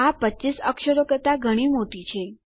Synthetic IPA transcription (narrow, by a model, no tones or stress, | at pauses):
apət͡ʃisəkʃəɾokət̪aɡʱəɽ̃imoʈ̪it͡ʃʰe